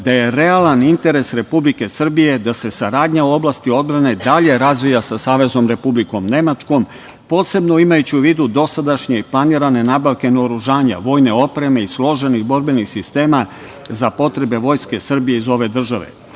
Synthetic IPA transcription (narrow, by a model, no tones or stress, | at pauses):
d̪aje̞ɾealanint̪e̞ɾe̞sɾe̞publike̞sr̩bije̞d̪ase̞saɾaːd̪ɲauo̞blaːst̪io̞d̪̚bɾane̞d̪aʎe̞ɾazʋijasasaːʋe̞zo̞mɾe̞publiko̞mne̞mat͡ʃko̞m | po̞ːse̞bno̞imajut͡ɕiuʋiːd̪ud̪o̞sad̪aʃɲe̞iplˠaniɾane̞naːbaʋke̞noɾuʒaːɲa̰ʋo̞ːjne̞o̞pɾe̞me̞islˠo̞ʒe̞nixbo̞ɾbe̞nixsist̪e̞ːma | zapo̞t̪ɾe̞be̞ʋo̞jske̞sr̩bije̞izo̞ʋe̞d̪r̩ʒaʋe̞̰